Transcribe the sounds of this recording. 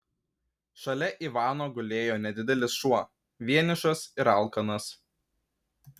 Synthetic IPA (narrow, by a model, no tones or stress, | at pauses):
ʃɐlʲɛʔiːˑʋɑːnoːɡʊlʲeːjoːnʲɛd̪ʲɪd̪ʲɛlʲɪsʃuɔ | ʋʲiɛnʲɪʃɐsɪɾɐˑlˠkɐnɐs